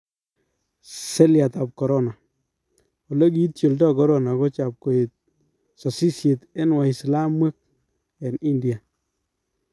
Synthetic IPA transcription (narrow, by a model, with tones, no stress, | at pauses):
se˦lja˨ta˨p̚kɔ˨ɾɔ˦na˨ | o˨le˦k̬i˦tt͡ʃjo˨ldɔ˦kɔ˦ɾɔ˦na˨kɔ˦t͡ʃa˨p̚ko˨e˨t̚ | sɔ˨si˦sje˨te˦nwa˨i˨sla˦mwɛ˦k̚ | ɛ˨ni˦ndi˨a˨